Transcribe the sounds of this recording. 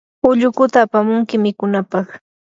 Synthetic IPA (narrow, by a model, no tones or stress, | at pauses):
ʊʎʊkʊt̪aːpamʊŋkɪmɪkʊnapɑχ